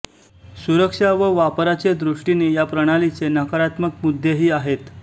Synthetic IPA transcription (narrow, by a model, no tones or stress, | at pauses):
suɾəkʂaʋəʋapɾat͡ɕed̪ɾuʂʈinejapɾəɽ̃alit͡senəkəɾat̪məkmud̪ʱːeɦiːaɦet̪